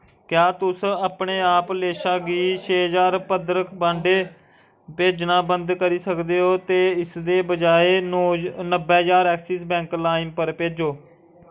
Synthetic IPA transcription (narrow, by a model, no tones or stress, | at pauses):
kjaːt̪ʊsaːpɳeːaːpleːʃaːɡiːt͡ʃʰeːd͡ʒaːɾpəd̪ɾəkʰbãːɳɖeː | peːd͡ʒnãːbənd̪kəɾiːsəkd̪eːɦoːt̪eːɪsd̪eːbəd͡ʒaːeːnəbɛːd͡ʒaːɾɛːksiːsbɛ̃ːŋklaːɪmpəɾpeːd͡ʒoː